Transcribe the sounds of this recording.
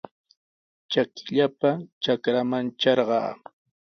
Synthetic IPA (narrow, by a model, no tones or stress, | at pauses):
t͡ʃakɪ̥ʎapat͡ʃakɾamant͡ʃɑɾɢɑ̰ː